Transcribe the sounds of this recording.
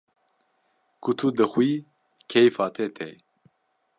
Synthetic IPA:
kʰut̪ʰud̪əxwiː | kʰejfaːt̪ʰɛt̪ʰɛ̰

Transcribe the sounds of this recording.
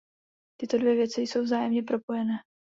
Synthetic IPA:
t̪ɪt̪o̞dvjɛvjɛt͡sɪjso̞wvzaːjɛmɲɛpɾopo̞jɛnɛː

